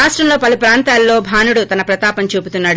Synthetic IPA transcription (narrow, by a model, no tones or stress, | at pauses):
aːʂʈɾɐmlo̞ːpɐlupɾaːnt̪aːlːo̞ːbʱaːnuɽut̪ɐnɐpɾɐt̪aːpɐnt͡ʃuːput̪unːaːɽu